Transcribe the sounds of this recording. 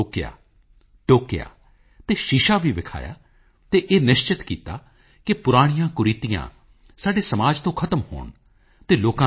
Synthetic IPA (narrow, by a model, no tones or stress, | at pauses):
okja̰ː | ʈoːkɪja̰ː | t̪eːʃɪʃaːʋiːʋɪkʰa̰ːja̰ː | t̪eːʔeːnɪʃt͡ʃɪt̪kiːt̪a̰ː | kɪpʊɾaːɽ̃ɪjãːkʊɾiːt̪ijã̰ː | saːɖeːsəmaːd͡ʒt̪õːkʰət̪əmho̰ːɳ | t̪eːloːkã